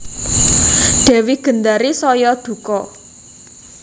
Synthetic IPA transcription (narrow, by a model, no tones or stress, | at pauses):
ɖ̥ɛ̤wiɡ̥ə̤nd̪aɾisɔjɔd̪̥ṳkɔ